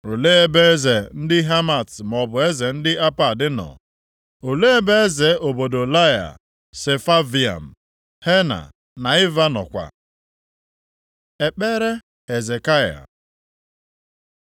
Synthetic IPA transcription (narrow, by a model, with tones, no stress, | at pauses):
ɾo˨le˦e˦be˦ze˨n̩˦dɪ˦ɦa˦ma˨tm˨ɔ˨bʊ˨e˦ze˨n̩˦dɪ˦a˦pa˨dɪ˦nɔ̰˨ | o˨le˦e˦be˦e˦ze˨ʔo˨bo˨do˨la˦ja̰˨ | se˨fa˦vi˨a̰˨m̩˨ | he˦na̰˨ | na˨ɪ˦va˦nɔ̰˨kʷa̰˨ | e˨k͡pe˦ɾe˦ | he˨ze˨ka˦ja̰˨